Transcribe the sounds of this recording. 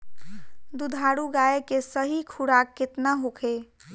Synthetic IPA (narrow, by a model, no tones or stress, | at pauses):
d̪ud̪ʱaɽuɡaekesəɦikʰuɽakːɪt̪naɦokʰe